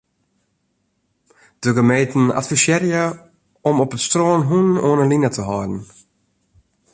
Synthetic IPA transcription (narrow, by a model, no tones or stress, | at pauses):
d̥əɡəmeːtn̩a̰tfisjɛɾjə | ʔɔmɔpətstroːnɦunoːnəlinətʰəɦɑːdn̩